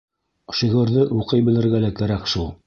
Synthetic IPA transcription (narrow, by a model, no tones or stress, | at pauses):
ʃiʁɤ̆ɾðɤʔuqɤjbɘ̆lɘ̆ɾɡælækæɾækʃulˠ